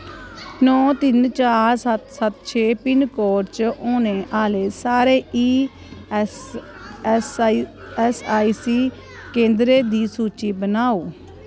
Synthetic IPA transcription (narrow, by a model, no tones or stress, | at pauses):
nɔ̃ːt̪ɪnt͡ʃaːɾsət̪sət̪t͡ʃʰeːpɪnkɔːɾt͡ʃoːnẽːʔaːleːsaːɾeːiː | s | ɛsaːiːsiː | kẽːnd̪ɾeːd̪iːsuːt͡ʃiːbənaːoː